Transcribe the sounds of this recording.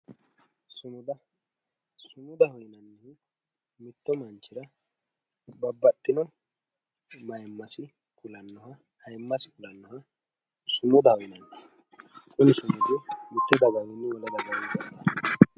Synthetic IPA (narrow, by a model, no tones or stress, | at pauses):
sʊmʊd̪ɐ | sʊmʊd̪ɐhɔjnɐnːɛ | mɪt̪ːɔmɐnt͡ʃːɪɾɐ | bɐbːɐt̪ʼːɪnɔ | mɐjɛmːɐsɪ | kʊlɐnːɔhɐ | hɐjmːɐsɪ̥kʊlɐnːɔhɐ | sʊmʊd̪ɐhɔjɪnɐnːɛ | kʼʊnɪsʊmʊd̪ɪmɪt̪ːɔd̪ɐɡɐɡɪnːɪwɔlɐd̪ɐɡɐɪdɔt̪ːɐ